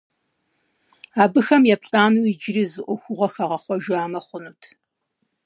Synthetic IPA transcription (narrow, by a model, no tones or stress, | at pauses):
aːbɨxɐmjɛpɬʼaːnuid͡ʒɪriːzɨʔʷʊxʷʊʁɐxɐʁɐχʷɔʒaːmɐχʷʊnuːtʰ